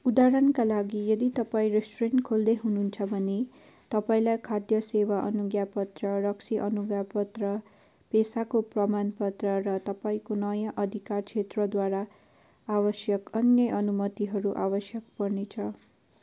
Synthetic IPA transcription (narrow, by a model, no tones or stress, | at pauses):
ud̪aɾʌnkalaɡijʌd̪it̪ʌpaĩresʈoreɳʈkʰold̪eɦununt͡sʰʌbʱʌne | t̪ʌpaĩlajkʰad̪jʌsewaʔʌ̰nuɡjapʌt̪rʌrʌksiʔʌnuɡjapʌt̪rʌ | pesakoprʌmanpʌt̪rʌrʌt̪ʌpaĩkonʌjãʔʌd̪ʱikart͡sʰet̪rʌd̪waɾa | abʌsjʌkʌnjʌʔʌnumʌt̪iɦʌɾuʔabʌsjʌk̚pʌrnet͡sʰʌ